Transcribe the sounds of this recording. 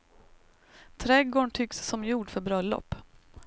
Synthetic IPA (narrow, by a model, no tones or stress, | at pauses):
t̪ʰɾɛɡoːɳʈ̪ʰʏksːɔmjuːɖfœɾbɾœlːɔ̰pː